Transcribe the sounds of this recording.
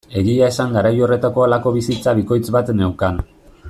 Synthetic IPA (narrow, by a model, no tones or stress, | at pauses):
e̞ɣiaesaŋɡaɾajo̞re̞t̪ako̞alako̞βisit͡saβiko̞jt͡sβat̪ne̞wkan